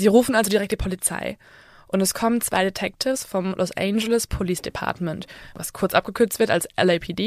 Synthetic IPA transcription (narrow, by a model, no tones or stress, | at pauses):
ziːʁuːfn̩ʔalzodiʁɛk̚td̥iːpʰolit͡sa̰ɪ | ʔʊntɛskʰɔmənt͡sv̥a̰ɪdetʰɛk̚tʰɪfsfɔmlʔɔsʔɛ̰ɪnd͡ʒɛləspʰoliːsd̥epʰa̰ɐtmɛntva̰skʰʊɐt͡sʔap̚ɡ̥əkʰʏɐt͡stv̥ɪɐta̰lsʔɛ̰lɛpʰiːdiː